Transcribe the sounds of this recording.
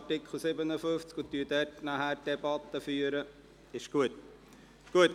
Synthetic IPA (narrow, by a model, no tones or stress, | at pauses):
tɪkʰχl̩ˠsɪbənəfʏft͡skut̪ːyːdɛrtnahæːɾd̥ɛb̥ɑt̪ːəfyːəɾə | ɪʃɡ̥uət̪ | ɡ̥uət̪